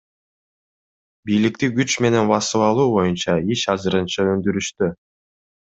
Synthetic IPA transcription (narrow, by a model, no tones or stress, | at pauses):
bijlik̚t̪iɡyt͡ʃme̞ne̞nbɑsɯβˠɑlˠuːbo̞junt͡ʃɑiʃɑzɯɾɯnt͡ʃɑø̞nd̪yɾyʃt̪y